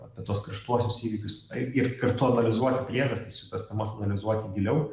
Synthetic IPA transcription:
ɐpʲɛt̪uɔskɾɐʃt̪uɔsʲʊsiːʋʲɪkʲʊsɐɪɪrkɐrt̪ʊɐnɐlʲɪzuɔt̪ʲɪpʲɾʲiɛʒɐsʲt̪ʲɪssʲɪt̪ɐsʲt̪ʲɛmɐsɐnɐlʲɪzuɔt̪ʲɪɡʲɪlʲɛʊ

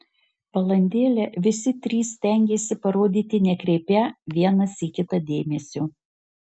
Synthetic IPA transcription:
pɐlˠɐnʲd̪ʲeːlʲɛʋʲɪsʲɪt̪ʲɾʲiːsːʲt̪ʲɛˑŋʲɡʲeːsʲɪpɐɾoːd̪ʲiːt̪ʲɪnʲɛkɾʲɛɪpʲæʋʲiɛnɐsiːkʲɪt̪ɐd̪ʲeːmʲɛsʲuː

